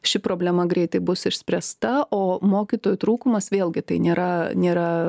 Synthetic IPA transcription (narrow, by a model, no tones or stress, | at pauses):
ʃʲɪpɾoːbʲlʲɛmɐɡɾʲɛɪt̪ɐɪbʊsɪʃʲsʲpʲɾʲɛst̪ɐʔoːmoːkʲit̪oːjʊt̪ɾuːkʊmɐsʋʲeːlˠʲɡʲɪt̪ɐɪnʲeːɾɐnʲeːɾɐ